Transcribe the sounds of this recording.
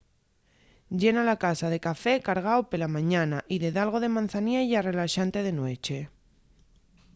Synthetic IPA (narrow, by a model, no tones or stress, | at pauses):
ɟ͡ʝe̞nalakasaðe̞kafe̞kaɾɣ̞aopelamãɲanaʔiðe̞ðalɣ̞o̞ð̞e̞mãnθaniajare̞laʃant̪e̞ð̞e̞nwe̞t͡ʃe̞